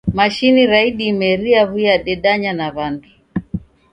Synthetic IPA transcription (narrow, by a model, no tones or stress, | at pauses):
maʃiniɾaiɗimɛɾiaβujaɗɛɗaɲanaβandi